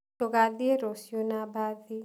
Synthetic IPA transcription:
oɡad̪ieɾosjonabad̪i

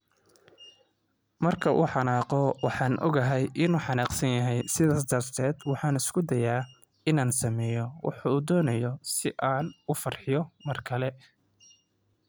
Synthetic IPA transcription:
mɐrkʰɐʔṵːħɑnaːqɔwɑħɑːnʔɔ̰ɡɐɦɛjʔɪnuːħɑnɑqsɐnjɐɦɛjsɪðaːsd̪ɐrt̪ʰɛːd̪wɑħɑːnɪskʰʊd̪ɐjaː | ɪnaːnsɐmɛːjɔwɑ̰ħɑuːd̪ɔːnɐjɔsɪʔaːnʊfɐrħɪjɔmɐrkʰɐlɛ

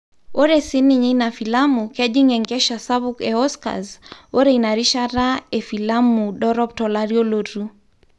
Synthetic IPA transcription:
ɔɾɛsiniɲinafilamukɛd͡ʒiŋɛŋɡɛʃasaβukɛɔska̰zɔɾɛinaɾiʃaɾaɛfilamuɗɔɾɔp̚tɔlaɾiɔloɾu

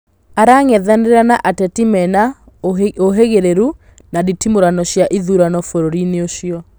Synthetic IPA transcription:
aɾaŋɛðaneɾanaʔatɛtimɛna | oɦeɣeɾeɾu | naditimoɾanɔɕjaʔiðuɾanɔfoɾoɾineoʃjɔ

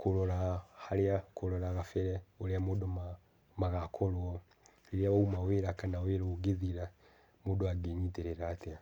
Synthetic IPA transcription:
koloɾahaljakoloɾaɣafeɾɛoɾeamoːdoma | maɣakʰolwɔ | eɾjawaumaweːɾakanaweɾoɡeðiɾa | modoaɡeɲiteɾeɾatea

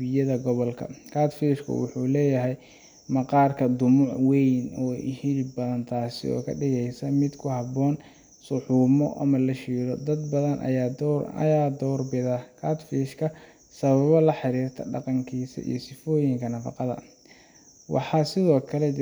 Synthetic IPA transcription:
ɪjɐðɐɡɔβɔlkʰɐ̰kʰaːt̪fiːʃkʰʊ̰wʊ̰ħuːlɛːjɐɦɛj | mɑqɑːrkʰɐd̪ʊmʊʕwɛjnɔːɪ̰hilɪbɐðɐnt̪ʰaːsɪ̰ɔ̰ːkʰɐ̰ɖɪɣɛjsɐmɪd̪kʰʊhɑbɔːn | sʊħuːmɔʔɐ̰mɐlɐʃiːɾɔd̪ɐd̪̚bɐðɐnʔɐ̰j̪ɐ̰jaːd̪ɔːrbɪðɐkʰaːt̪fiːʃkʰɐ | sɐβɐβɐlɐħɑɾiːrt̪ʰɐ̰ɖɑ̰qɑŋkʰiːsɐ̰ʔḭjɔsɪfɔːjɪŋkʰɐnɐfɑ̰qɑðɐ̰ | wɑ̰ħɑsɪðɔːkʰɐlɛ

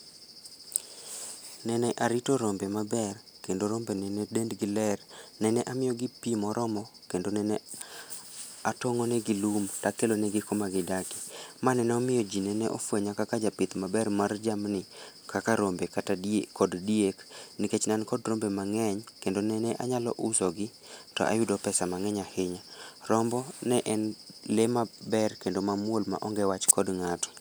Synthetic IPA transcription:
nɛnɛʔaɾitoɾombemabɛr | kendoɾombenɛnɛdendɡɪlɛrnɛnɛʔamɪjɔɡɪpimɔɾʔɔmɔkendonɛnɛ | atoŋonɛɡilumtakelonɛɡɪkomaɡɪdakɪ̥manɛnɛɔmɪjɔd͡ʒinɛnɛʔɔ̰fweɲakakad͡ʒapɪt̪mabɛrmard͡ʒamnɪ | kakaɾombekatakʰɔddiekniket͡ʃnankɔdɾombemaŋɛɲkendonɛnɛʔaɲalɔ̰ʔʊsɔɡɪ | tɔ̰ʔa̰jʊdɔpɛsamaŋɛɲahɪɲarɔmbɔnɛʔɛnlemabɛrkendomamwolma̰ʔɔŋɡɛwat͡ʃkʰɔdŋatɔ̥

